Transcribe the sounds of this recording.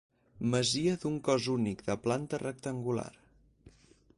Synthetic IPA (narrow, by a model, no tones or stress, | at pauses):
məziəðuŋkɔzunikðəplant̪ərək̚t̪əŋɡula̰r